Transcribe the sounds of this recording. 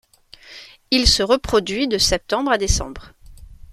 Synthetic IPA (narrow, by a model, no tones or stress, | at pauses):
ilsəʁəpχɔd̪ɥid̪əsɛp̚t̪ɑ̃bʁad̪esɑ̰̃bʁ